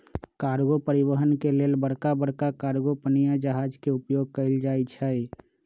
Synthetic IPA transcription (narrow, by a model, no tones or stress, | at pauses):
kaːɾɡopəɾɪwəɦənkeleːlbəɽkabəɽ̤kakaːɾɡopənijad͡ʒəɦaːd͡ʒkeʊpjoːɡ̚kəɪld͡ʒaːit͡ʃʰɛi